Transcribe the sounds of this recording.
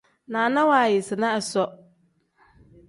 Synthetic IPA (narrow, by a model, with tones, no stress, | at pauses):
nãː˨nã˦waː˨jɪ˨sɪ˨nã˦ɛ˨sɔ˦